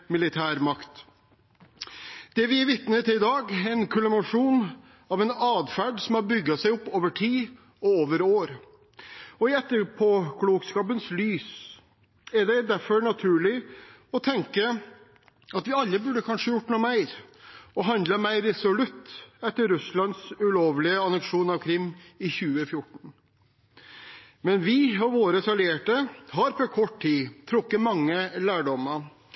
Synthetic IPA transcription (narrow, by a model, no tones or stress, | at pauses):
mɪlɪt̪ʰæːɾmɑkt̪ | d̪̥ɛʋɪʋɪt̪nət̪ʰɪɪd̪ɑːɡɛnkʰʉləmɑʂuːn | ɑʋɛnɑːd̪fæːɖsɔmhɑɾbʏɡːɑsæɪʊpːoːʋəʈʰiː | ɔoːʋəɾoːɾ | ɔɪɛt̪ːəɾpʰɔkʰluːɡskɑːpənslyːs | ɛɖɛd̪æɾfɔɾɳɑt̪ʰʉːɭɪ | ɔt̪ʰɛŋkə | ɑt̪ʋɪɑlːəbʉɖəkʰɑnʂəjʊʈːnuːmæɪɾɔɦɑnd̪ləmæɪɾːɛsɔlʉt̪ːɛt̪ːəɾɾʉslɑnd̪sʉloːʋlɪəɑnəkʂuːnɑʋkʰɾɪmːɪçʉːəfjʊʈːɳ̩ɳ | mɛnʋɪɔʋoːɾəsɑleːʈəɦɑɾpɔkʰɔʈt̪iːt̪ʰɾʊkːəmɑŋːəlæːɖɔmə